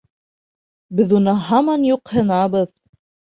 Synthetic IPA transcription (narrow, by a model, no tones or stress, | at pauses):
bɘðunɤɦɑmɑnjuqhɤ̆nɑbɤð